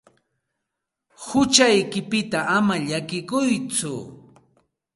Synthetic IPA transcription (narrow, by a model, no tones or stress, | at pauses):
hʊt͡ʃajkɪpɪt̪aʔamaʎakɪkʊjt͡sʊ̰